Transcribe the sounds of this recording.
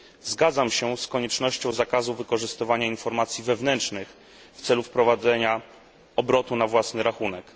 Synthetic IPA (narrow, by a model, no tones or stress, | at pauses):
zɡad̪zamɕɛskɔɲɛt͡ʂnɔɕt͡ɕɔ̃w̃zakazuvɘkɔʐɘst̪ɘvaɲainfɔɾmat̪sʲjivɛvnɛnt͡ʂnɘx | ft̪sɛlufpɾɔvad̪zɛɲa | ɔbɾɔt̪unavwasnɘɾaxunɛk